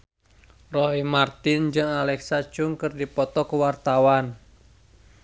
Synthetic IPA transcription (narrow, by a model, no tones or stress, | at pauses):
rɔɦimart̪ɪnd͡ʒɨŋalɛksat͡ʃʊŋkɨrdipɔt̪ɔkəwart̪awan